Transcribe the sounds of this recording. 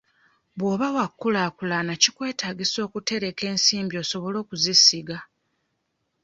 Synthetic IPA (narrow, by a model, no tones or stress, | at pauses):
βwo̞ːβawakːulaːkulanacikwe̞ːtaːɡiso̞ːkute̞ɾe̞ke̞ːnsiːmbio̞ːso̞βo̞lo̞ːkuzisiɡa